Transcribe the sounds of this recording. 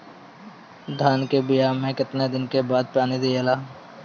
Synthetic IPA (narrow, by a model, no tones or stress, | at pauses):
d̪ʱaːnkebɪjaːmẽkɪt̪ned̪ɪnkebaːd̪̚paːned̪ijelaː